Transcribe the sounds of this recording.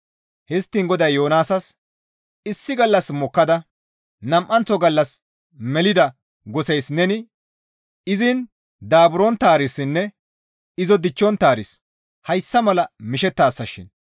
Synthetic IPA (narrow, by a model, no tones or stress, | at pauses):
hɛst̪ːiŋɡɔd̪ɐjːoːnaːsɐs | ɪsːɪɡɐlːɐsmɔkːɐd̪ɐ | nɐmʔɐnt͡sɔɡɐlːɐs | mɛlɪd̪ɐ | ɡɔsɛjsnɛnɪ | ɪzɪn | d̪aːbʊɾɔnt̪aːɾɪsːɪnːɛ | ɪzɔd̪ɪt͡ʃːɔnt̪aːɾɪs | hɐjsːɐmɐlɐmɪʃɛt̪ːaːsːɐʃɪ̰n